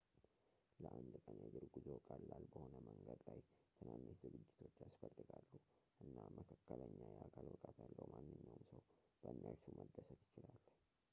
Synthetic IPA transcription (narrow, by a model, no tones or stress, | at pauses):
ləʔand̪kʼənjɛd̪ɨɾɡuzokʼalːalbəho̞nəməŋɡəd̪lajt̪ʰɨnanːit̪zɨɡɨd͡ʒːɪt̪ʰo̞t͡ʃːasfəlːɨɡalːuʔɨnːaməkʰakːələɲːajɛakʰalwɔkʼat̪jalːəwmanːɨɲːawmsəwb̥əɨnːəɾsuməd̪ːəsət̪jɪt͡ʃɪlalː